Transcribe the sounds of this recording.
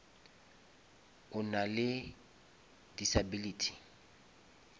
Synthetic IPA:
ʊnalɪ | disabilitʰi̥

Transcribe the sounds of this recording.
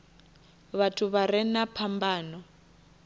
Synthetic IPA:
βatʰuβaɾɛnapʰambaːnɔ

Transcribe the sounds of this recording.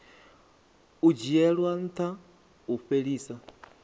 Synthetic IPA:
ud͡ʒiɛɺwan̩t̪ʰa | uɸeɺiːsa

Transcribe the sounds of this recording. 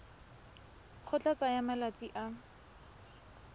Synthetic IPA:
k͡xʰʊt͡ɬʼat͡sʼajamalat͡sʼiʔa

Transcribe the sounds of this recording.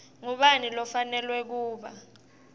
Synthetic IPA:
ŋuɓanilɔfanɛlwɛk̬uːɓa

